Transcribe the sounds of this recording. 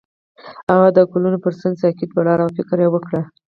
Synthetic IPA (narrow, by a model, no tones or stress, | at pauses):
aɣad̪əkulunopəɾsansakid̪̚balɑɾawfɪkɾjewəkɽa